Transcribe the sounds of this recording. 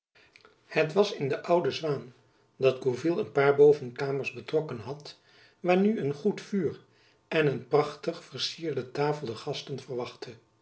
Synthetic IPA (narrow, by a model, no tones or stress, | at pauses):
hətʋɑsɪndəʔʌwdəzʋaːn | dɑdɡuvilˠənpaːɹbowvənkaːməɹzbətrɔkənɦɑt | ʋaːɹnyənχutfyːr | ʔɛnənprɑχtəχfəɹsiːɹdətaːfəlˠdəχɑstənvərʋɑχtə